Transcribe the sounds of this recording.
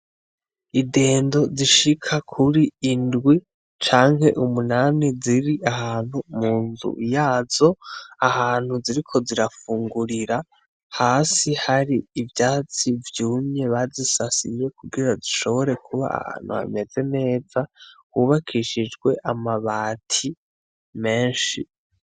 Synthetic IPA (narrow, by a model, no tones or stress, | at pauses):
ide̞ːndo̞ziʃikʰakʰuɾiːndɡwi | t͡ʃaːŋɦhe̞ʔumunaːniziɾiʔahaːn̥humuːnzṵjaːzo̞ahaːn̥huziɾikʰo̞ziɾafuːŋɡuɾiɾa | haːsihaɾiːvjaːt͡sivjuːmɲe̞βazisasḭje̞kuɡiɾaziʃo̞βo̞ɾe̞kʰuβa̰a̰ha̰ːn̥hṵha̰me̞ze̞ne̞ːd͡zakuβakʰiʃid͡ʒɡwe̞ʔamaβaːtʰi | me̞ːnʃi